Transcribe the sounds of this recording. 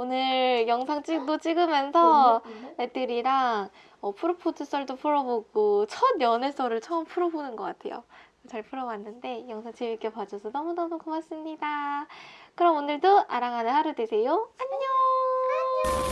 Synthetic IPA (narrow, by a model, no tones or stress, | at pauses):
onɯɾjʌŋsʰaŋt͡ɕ͈idot͡ɕ͈iɡɯmjʌnsʰʌet͈ɯɾiɾaŋ | ʌpʰuɾopʰotʰɯs͈ʌɭdopʰuɾʌboɡot͡ɕʰʌnjʌnes͈ʌɾɯɭt͡ɕʰʌɯmpʰuɾʌbonɯnɡʌk͈atʰe̞̰jo̰ | t͡ɕaɭpʰuɾʌwanːɯnde̞jʌŋsʰaŋt͡ɕibik͈epad͡ʑʌsʰʌnʌmunʌdokʰʌmas͈ɯmɲida | kɯɾʌmonɯɭdoʔaɾaŋɦanɯnhaɾɯdwesʰe̞joaɲo | ɲ